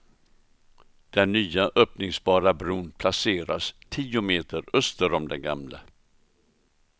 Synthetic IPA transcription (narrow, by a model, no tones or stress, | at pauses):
d̪̥ɛnːyːaʔœːpnɪŋsbɑːɾabɾuːnpʰlaseːɾa̰st̪ʰiːʊmeːt̪əɾœst̪əɾɔmd̪ɛnɡa̰mlə̰